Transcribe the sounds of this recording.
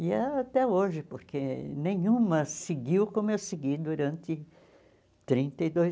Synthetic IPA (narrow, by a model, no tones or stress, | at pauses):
ɪɛaat̪ɛoʒɪpoɾkʰenẽj̃ũmɐsɪɡiwkõmʊewsɪɡid̪uɾɐ̃nt̪ɪ | t̪ɾĩnt̪ɐed̪oj